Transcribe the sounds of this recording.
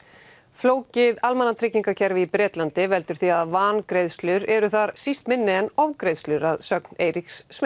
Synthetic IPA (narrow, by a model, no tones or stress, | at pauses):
floːwcɪðalmanːat̪ʰɾɪcːiŋkacʰɛɾvɪipɾɛːt̪lant̪ɪvɛlt̪ʏɾ̥θiaðvaːnkɾejðst̪lʏɾɛɾʏθaɾ̥sist̪mɪnːɪɛnɔvkɾejðst̪lʏɾaðsœkneːjɾiksːm